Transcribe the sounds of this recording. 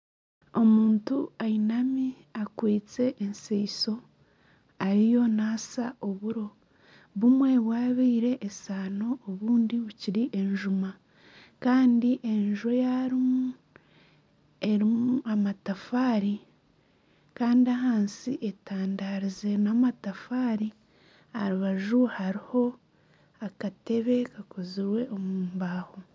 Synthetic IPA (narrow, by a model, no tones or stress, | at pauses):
o̞muːntuainami | akwiːt͡se̞ʔːnseiso̞ | aɾijo̞naːsao̞βuɾo̞ | βumwe̞βwaːβiːɾe̞ʔːsaːno̞ːβuːndiβuciɾiʔe̞ɲʒuma | kaːndiʔe̞ɲʒo̞jaɾimu | e̞ɾimuamatafaːɾi | kaːndiaɦaːnsiʔetaːndaɾize̞namatafaːɾi | aɾuβaʒuhaɾiho̞ | akate̞βe̞kakʰoziɾwe̞ʔomuːmbaːho̞